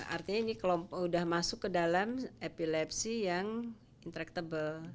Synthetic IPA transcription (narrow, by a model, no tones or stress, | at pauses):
a̰rt̪iɲainikəlɔmpɔudahmasʊkːədalamepilɛpsijaŋ | int̪əɾɛk̚t̪abəl